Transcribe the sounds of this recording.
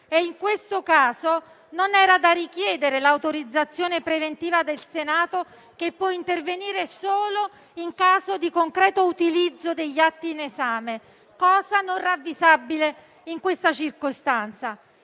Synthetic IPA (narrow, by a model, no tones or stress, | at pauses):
eiŋkwest̪okaːzo | nonɛːɾad̪arik̟jɛːd̪eɾelawt̪oɾid̪zːat̪sːjoːnepɾevent̪iːvad̪elsenaːt̪o | kepːwɔint̪erveniːɾesoːlo | iŋkaːzod̪ikoŋkɾɛːt̪out̪ilid̪zːod̪eʎːat̪ːiːnezaːme | kɔːzanonravːizabile | iŋkwest̪at͡ʃirkost̪ant̪sa